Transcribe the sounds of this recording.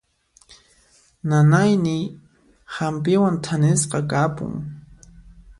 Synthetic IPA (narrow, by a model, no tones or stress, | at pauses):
nanajnɪ | hampɪwant̪ʰanɪsqɑkapʊ̰ŋ